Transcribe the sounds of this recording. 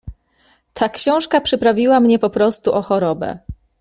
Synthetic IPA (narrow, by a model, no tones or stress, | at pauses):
t̪ʰakɕɔ̃w̃ʂkapʂɘpɾavʲiwamɲɛpɔpɾɔst̪uʔɔxɔɾɔbɛ̰